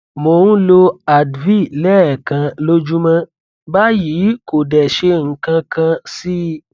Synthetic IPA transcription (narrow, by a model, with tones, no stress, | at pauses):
mo˨nũ˦lo˧a˨dvi˦˨lɛ˦ɛ˨kã˧lo˦d͡ʒu˦mã˦ | ba˦jiː˨˦ko˨dɛ˨ʃe˧ŋ̩˨kã˧kã˧si˦